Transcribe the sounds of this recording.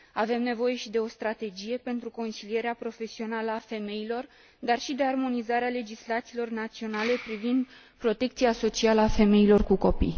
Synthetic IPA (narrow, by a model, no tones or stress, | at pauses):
ave̞mne̞vo̞je̞ʃid̪e̞o̞st̪ɾat̪e̞d͡ʒije̞pe̞nt̪ɾuko̞nsilije̞ɾeapɾo̞fe̞sio̞naləafe̞me̞ilo̞r | d̪arʃid̪e̞armo̞nizaɾeale̞d͡ʒislat̪siːlo̞rnat̪sio̞nale̞pɾivind̪ | pɾo̞t̪e̞k̚t̪sijaso̞t͡ʃialəafe̞me̞ilo̞rkuko̞pḭj